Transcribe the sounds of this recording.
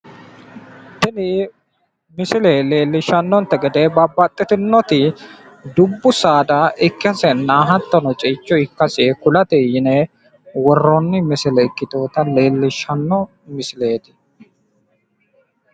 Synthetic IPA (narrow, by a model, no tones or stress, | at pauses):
t̪ɪnɪ | mɪsɪlele̞ːlːɪʃːɐnːɔnt̪ːɛɡɛd̪eːbɐbːɐt̪ʼːɪt̪ɪnːɔt̪ɪ | d̪ʊbːʊsaːd̪ɐʔɪkːɪɐsɛnːaːɦɐt̪ːɔnɔt͡ʃʼɪːt͡ʃːɔɪkːɐsɪɛkʊlɐt̪ɛjɪnɛ | wɔrːɔnːɪmɪsɪlɛɪkːɪt̪o̞ːt̪ɐle̞ːlːɪʃɐnːɔ | mɪsɪleːt̪ɪ̥